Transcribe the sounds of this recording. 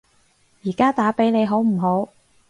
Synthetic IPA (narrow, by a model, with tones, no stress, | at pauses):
jiː˨˩kaː˥t̪aː˨˥pe˨˥jne˨˧jɦo˨˥wm̩˨˩ɦo˨˥w